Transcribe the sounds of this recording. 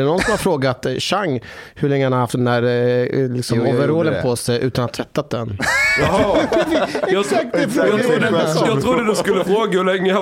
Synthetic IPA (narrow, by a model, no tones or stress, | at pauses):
ɛnɔnsɔmhaɾfɾoːɡat̪ɕaŋːhɵɭɛŋːəhanahaft̪ɛnd̪æːɾlɪksɔmɔvɛɾoːlənpʰɔsɛjʔʉ̟ːt̪anhat̪ʰːvɛt̪ːat̪̚d̪ɛn | ɛɑsak̚t̪ɛfdjːt̪ɾud̪əd̪ʉskləfɾoːɡhɵlɛŋːəa